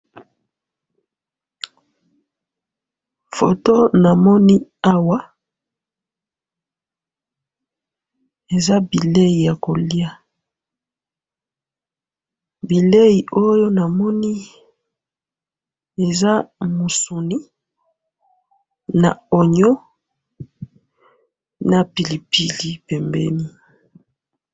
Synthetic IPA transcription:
fo˨to˦na˨mɔ˦ni˦a˦wa˦ | e˨za˦bi˨le˦ji˨ja˨ko˨li˦a˦ | bi˨le˦ji˨ʔo˦jo˦na˨mɔ˦ni˦ | e˨za˦mo˨su˨ni˦ | na̰˨o˨ɲo˦ | na˨pi˨li˨pi˦˨li˦pɛ˨mbɛ̰˦ni˦

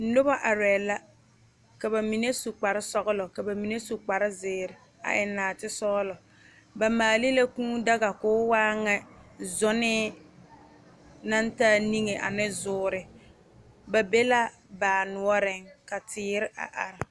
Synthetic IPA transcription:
n̩˦nʊ˦ba˦ʔa˨ɾɛː˨la˦ | ka˨ba˨mi˨ne˦su˨k͡pa˨ɾɪ˦sɔ˦ɣʊ˦lɔ˨ka˨ba˨mi˨ne˦su˨k͡pa˨ɾɪ˦zɪː˨ɾɪ˨ | a̰˨ʔɪ˨naː˨tɪ˦sɔ˦lɔ˨ | ba˨maː˨li˦la˦kũː˦da˦ɣa˨kʊː˦waː˦ŋɛ˦zɔ˦nɪ˦ | na˦ntaː˦ni˦ŋe˨ʔa̰˨nɪ˦zʊː˨˦ɾɪ˨ | ba˨be˦la˦ | baː˨nʊ˨ɔ˦ɾɪ˦ŋka˨tɪː˦ɾɪ˦ʔa̰˨ʔa˨ɾɪ˨

